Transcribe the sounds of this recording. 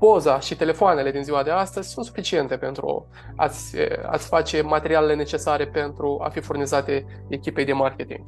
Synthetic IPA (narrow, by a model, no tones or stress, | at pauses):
po̞zaʃit̪e̞le̞foane̞le̞d̪inziwad̪e̞ast̪əzʲsunt̪sufit͡ʃie̞nt̪e̞pe̞nt̪ɾṵ | a̰t̪sʲə̰a̰t̪sʲfat͡ʃe̞mat̪e̞ɾialele̞ne̞t͡ʃe̞saɾe̞pe̞nt̪ɾua̰fifurnizat̪e̞ | ekʲipe̞jd̪e̞markʲet̪ḭŋɡ̥